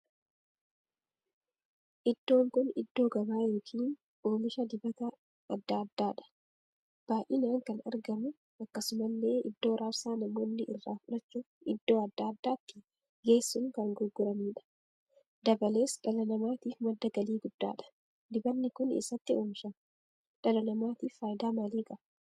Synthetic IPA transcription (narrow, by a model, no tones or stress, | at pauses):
ʔɪd̪ːo̞ːŋkʊnɪd̪ːo̞ːɡɐbaːjoːkʰiːn | o̞ːmɪʃɐd̪ɪbɐt̪ɐ | ɐd̪ːaːd̪ːaːᶑɐ̥ | b̥aːʔɪnaːŋkɐnɐ̰ɾɡɐmʊ | ɐkːɐsʊmɐlːe̞ːʔɪd̪ːo̞ːɾʔaɾsaːnɐmo̞ːnːɪʔɪrːaːfʊᶑɐt͡ʃːuː | ɪd̪ːo̞ːɐd̪ːaːd̪ːaːt̪ːɪ̥ | ɡeːsːʊŋkɐŋɡʊɾɡʊɾɐmiːᶑɐ̥ | d̪ɐbɐle̞ːsᶑɐlɐnɐmaːt̪iːfmɐd̪ːɐɡɐliːɡʊd̪̥ːa̰ːᶑɐ̥ | d̪ɪbɐnːɪkʊnḛsːɐt̪ːɪoːmɪʃa | ᶑɐlɐnɐmaːt̪iːfːaːjd̪aːmaːliːkʼɐ